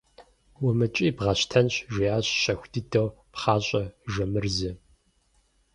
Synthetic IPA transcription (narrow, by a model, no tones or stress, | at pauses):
wʊmɨt͡ʃʼiːbʁɐɕtʰɐnɕʒʷiːaːɕɕɐxʷdɨdɐwpχɑːɕʼɐʒɐmɨrzɨ